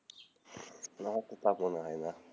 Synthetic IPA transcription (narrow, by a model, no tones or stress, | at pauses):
nahɔkʷʊpamɔnaɦana